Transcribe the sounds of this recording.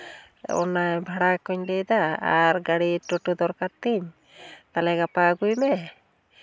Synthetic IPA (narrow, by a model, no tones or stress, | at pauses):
ɔ̰najbʱaɽakɔɲdejd̪aa̰ɾɡaɽiʈoʈud̪ɔɾkaɾt̪iɲ | t̪alɛɡapaɡujmɛ